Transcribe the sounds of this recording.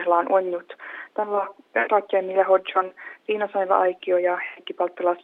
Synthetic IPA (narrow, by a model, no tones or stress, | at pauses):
hlɑːnʔonːut̪t̪ænlɑrɑkːˑɑmːilɑɦod͡ʒonʋiːnɑsɑnlɑ̰ʔɑjkiojɑhekːipɑlt̪ːilɑs